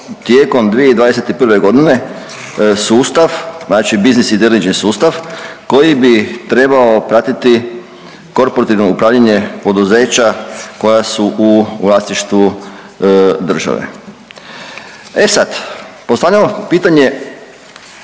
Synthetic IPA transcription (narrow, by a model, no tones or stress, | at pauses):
t̪jeko̞md̪ʋijeid̪ʋaːd̪eset̪ipr̩ʋe̞ɡo̞d̪ine̞ | suːst̪aʋnaːt͡ʃibiznisid̪elit͡ʃnisuːst̪aʋko̞jibit̪ɾe̞baopɾat̪it̪i | ko̞ɾpoɾat̪iʋno̞upɾaːʋʎaɲe̞po̞d̪uze̞ːt͡ɕako̞jasuʔuʋlˠast̪iʃt̪ʋu | d̪r̩ʒa̰ʋḛ | e̞sad̪po̞st̪aʋʎamopiːt̪aɲe̞